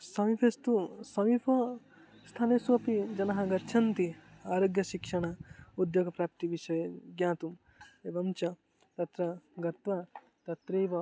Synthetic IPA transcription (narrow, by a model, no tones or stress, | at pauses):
sɐmipʰest̪usɐmipʰɐ | st̪ʰaːneːsuʋɐpid͡ʒɐnɐɦɐɡɐɾt͡ʃʰɐnt̪iaːɾoːɡjɐʃikʂɐɳɐud̪joːɡɐpɾaːp̚t̪iʋiʃɐjɐɡjaːt̪um | eʋɐmt͡ʃɐ | t̪ɐt̪ɾɐɡɐt̪ʋɐ | t̪ɐt̪ɾeːʋɐ